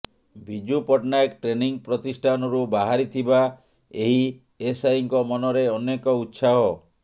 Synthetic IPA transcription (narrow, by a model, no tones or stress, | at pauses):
bʱid͡ʒupɔʈnaekʈɾeniŋpɾɔt̪isʈʰanɔɾubaɦaɾit̪ʰiba | eɦi | esajiŋkɔmɔnɔɾeɔnekɔut̪ːsaɦɔ